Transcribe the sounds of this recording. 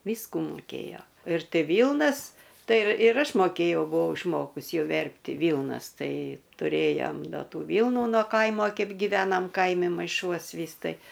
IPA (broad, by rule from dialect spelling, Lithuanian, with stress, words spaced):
ˈʋʲiːskʊ mʊˈkʲeːjoː ɪr ˈtʲɪ ˈʋʲiːlˠnɐs ˈtɐɪ ɪr ɪr ˈɐʃ moːˈkʲeːjɛʊ bʊˈʋɐʊ ɪʃˈmoːkʊs ˈjɛʊ ˈʋʲɛrʲpʲtʲɪ ˈʋʲiːlˠnɐs ˈtɐɪ tʊˈrʲeːjoːm ˈdɐ ˈtuː ˈʋʲiːlˠnʊ noː ˈkɐɪmoː ˈkʲɛɪp ɡʲɪˈʋʲæːnɐm ˈkɐɪmʲɪ mɐɪˈʃuɔs ˈʋʲiːs ˈtɐɪ